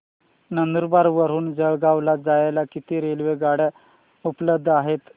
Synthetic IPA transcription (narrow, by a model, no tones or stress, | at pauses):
nənd̪uɾbaɾʋəɾ̤uːnd͡zəɭɡaʋlad͡zajalakit̪iɾelʋeɡaɽa | upləb̚d̪ʱːaɦet̪